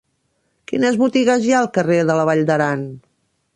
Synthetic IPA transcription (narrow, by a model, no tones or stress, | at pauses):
kinəzβut̪iɣəzjaəlˠkəreðələβaʎd̪əɾan